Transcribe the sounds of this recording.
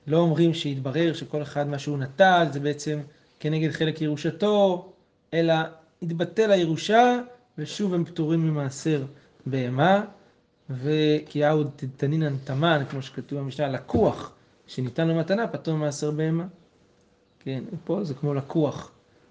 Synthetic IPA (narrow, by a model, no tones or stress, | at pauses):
lo̞omʁimʃeitbaʁe̞ʁʃeko̞le̞χad̪maʃuunatalze̞beet͡se̞m | ke̞neɡe̞d̪χe̞lekjeʁuʃato̞ | e̞la | itbate̞lajeʁuʃa | veʃuve̞mptuʁimːimaːseʁ | beema | ve̞kiaudt̪it̪aninant̪amankmo̞ʃe̥katuvamiʃnalakuaχ | ʃenitanlomatanapatuʁmimaːseʁbeema | ke̞nepo̞zekmo̞lakʰuaχ